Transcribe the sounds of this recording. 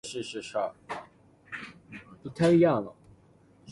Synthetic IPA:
ʂɻ̩˥˧ʂɻ̩˥˩ʂa˥˩ | pu˧˥˩t̪ʰa˥˩ɪi˧˥jɑ˥˩ŋlə̰˩

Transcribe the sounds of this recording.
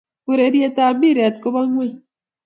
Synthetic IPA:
ku˦ɾe˨ɾje˦t̪a˨bi˦ɾɛ˨t̪̚ko˦ba˦ŋwɛ˦˨

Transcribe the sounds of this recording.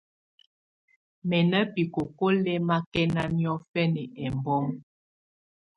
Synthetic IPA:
mɛ˨nə˦pi˨ko˨ko˦lɛ˦ma˦kɛ˦na˦mjɔ˦fɛ˦nɛ˨ɛ˨mbɔ˦ŋ

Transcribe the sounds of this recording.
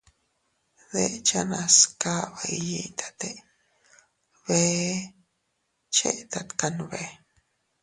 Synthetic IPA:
ðe˦ʔt͡ʃa˦na˧ska˦βa˨i˧ji˧t̪ʰḁ˨t̪e˦ | βe˧ | t͡ʃḛ˦ʔt̪a˧t̪ka˧nβe˨

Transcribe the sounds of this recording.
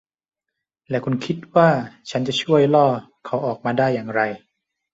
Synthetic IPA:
lɛː˦˥kʰu˧nkʰi˦˥t̪̚waː˥˩t͡ɕʰa˦˥nt͡ɕa˨˩t͡ɕʰu˥˩əjlɔː˥˩ | kʰa˩˦˥wʔɔː˨˩k̚maː˧daː˥˩jːaː˨˩ŋɾa˧j

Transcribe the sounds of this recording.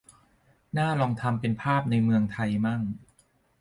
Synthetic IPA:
naː˥˩lɔː˧ŋt̪ʰa˧mpe˧npʰaː˥˩p̚na˧jmɯ˧əŋt̪ʰa˧jma˥˩ŋ

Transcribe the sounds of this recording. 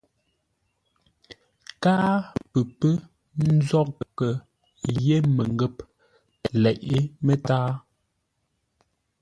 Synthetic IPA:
kaː˦pə˨pə˦ | n̩˦zɔ˦kkə˨ | je˦mə˨ŋɡə˦˨p | lɛ˨ʔe˦mə˦taː˦

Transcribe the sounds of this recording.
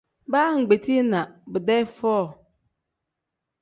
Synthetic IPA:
baː˦ŋ̩˨ɡ͡be˨tʰi˦nã˨bʊ˨dɛ˦fɔː˦˨

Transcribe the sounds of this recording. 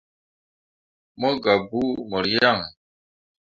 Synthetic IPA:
mo˦ɡa˨bu˦mə˨ɾija˦ŋ

